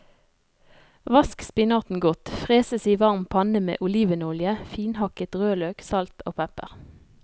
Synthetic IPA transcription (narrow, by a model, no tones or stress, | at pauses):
ʋɑskspɪnɑʁt̪n̩ɡɔt̪fʁeːsəsiːʋɑʁmpʰɑnəmḛːʔʊliːʋənʊljəfiːnhɑkət̪ʁøːløːksɑlt̪ʰo̰ːpʰɛpə̰ʁ